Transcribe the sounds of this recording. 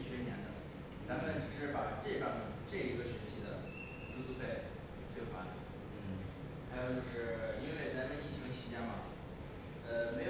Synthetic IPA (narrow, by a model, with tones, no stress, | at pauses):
ɕɥɛ˧˥njɛ˧˥nd̪ə˨˩ | t͡sa˧˥mə˨nʈ͡ʂ̩˨˩ʂɻ̩˥˩pa˨˩ʈ͡ʂɤ˥˧ʈ͡ʂɑ˥˩˧ʈ͡ʂɤ˥˩i˧˥ɡə˧ɕɥɛ˧˥ɕi˧˥d̪ə̰˨ | ʈ͡ʂu˥t͡su˥˧pʰe˥˩ɪ | t͡sʰwɛ˥˩xwa˥d̪ə̰˩˥˩ | xjo˧t͡ɕjo˥˧ʊʂɻ̩˥˩i˥nwe˥˩ɪt͡sa˧˥mə˧ni˥˩t͡ɕʰi˧˥ŋt͡ɕʰi˧˥t͡ɕjɛ˥˩ŋmɐ˩ | ə˧me˧˥ɪj